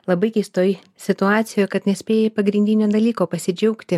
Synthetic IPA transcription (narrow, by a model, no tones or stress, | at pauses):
lˠɐbɐɪkʲɛɪst̪oːj | sʲɪt̪ʊɑːt̪sʲɪjoːjkɐt̪nʲɛsʲpʲeːjeːpɐɡɾʲɪnʲd̪ʲɪnʲoːd̪ɐlʲiːkoːpɐsʲɪd͡ʒʲɛʊkt̪ʲɪ